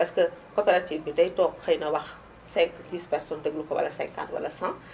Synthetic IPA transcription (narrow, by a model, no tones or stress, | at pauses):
pɐskəkɔpɛɾatiːvbidɐjdɔːkxɐjnɐwɐx | sɛŋkdiːspɛrsɔːndəɡlukɔwɐ̰lɐsɛ̃ŋka̰ntwɐ̰lɐsãːŋ